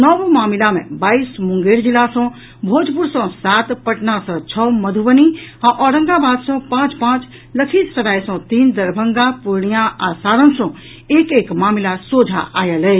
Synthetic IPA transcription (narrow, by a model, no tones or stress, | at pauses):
nɔʋmaːmɪlamḛ̃baːiːsmʊ̃ŋɡeːɾd͡ʒilasɔ̃ | bʱoːd͡ʒpʊɾsɔ̃saːt̪pəʈnasɔ̃t͡ʃʰɔməd̪ʱuʋəniãʔɔːɾə̃ŋɡabaːd̪sɔ̃pãːt͡ʃpãːt͡ʃ | ləkʰisɾəɽaːjsɔ̃t̪iːnd̪əɾbʱə̃ŋɡapʊɾɳijaʔasaːɾə̃nsɔ̃ | eːkeːkmaːmɪlasoːd͡ʒʱa̰ʔa̰ːjəlɛ